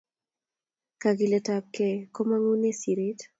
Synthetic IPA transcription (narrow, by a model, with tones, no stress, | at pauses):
kaɡi˨le˨tap̚keko˦ma˦ŋu˦ne˦si˨ɾi˦t